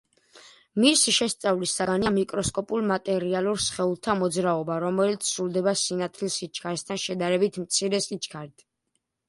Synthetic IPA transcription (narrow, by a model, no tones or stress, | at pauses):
misiʃɛst̪sʼavlisːaɡaniamikʼɾɔskʼɔpʼulˠmat̪ʼɛɾialˠuɾsχɛulˠt̪ʰamɔd̪zɾaɔbaɾɔmɛlit̪sʰsɾulˠd̪ɛbasinat̪ʰlilsit͡ʃʰkʰaɾɛst̪ʰanʃɛd̪aɾɛbit̪ʰmt̪sʰiɾɛsit͡ʃʰʼkʰaɾd̪ʰ